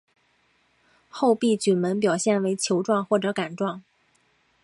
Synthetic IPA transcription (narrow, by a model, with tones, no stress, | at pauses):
xo˥˧ʊpi˥˩t͡ɕy˨˩mə˧˥npjɑ˨˩ʊɕjɛ˥˩nwe˧˥ɪt͡ɕʰjo˧˥ʊʈ͡ʂwɑ˥˧ŋxwɔ˥˩ʈ͡ʂɤ˧˥ka˨˩nʈ͡ʂwɑ˥˩ŋ